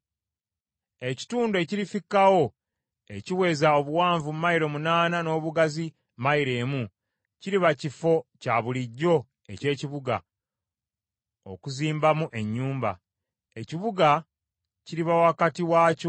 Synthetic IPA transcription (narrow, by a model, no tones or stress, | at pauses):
e̞ci̥tuːndoe̞ciɾifikːawo̞ | e̞̰ciwe̞ːzao̞βuwaːɱvummajiɾo̞munaːnano̞ːβuɡazi | majiɾe̞ːmu | ciɾiβacifo̞caβuliɟːo̞ | e̞̰ce̞ːciβuɡa̰ | o̞̰kuziːmbamuʔe̞ɲːuːmba̰ | e̞ciβuɡa | ciɾiβawakatiwaːco